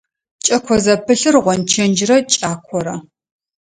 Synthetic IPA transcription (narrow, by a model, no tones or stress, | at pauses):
t͡ʃʼɐkʷʰɔzɐpʰɨɬɨrʁʷɔnt͡ʃʰɐnd͡ʒɪrɐt͡ʃʼaːkʷʰɔɾɐ